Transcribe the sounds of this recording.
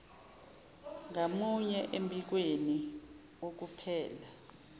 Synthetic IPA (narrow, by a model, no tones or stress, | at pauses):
ŋamuɲɛʔembʱʼik̬weni | ok̬upʰɛːla